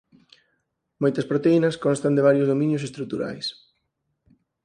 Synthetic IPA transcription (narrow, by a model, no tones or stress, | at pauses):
mojt̪ɐspɾot̪einɐskonst̪ɐnd̪ɪβ̞aɾjʊzðomĩnjʊs̬est̪ɾuk̚t̪uɾa̰js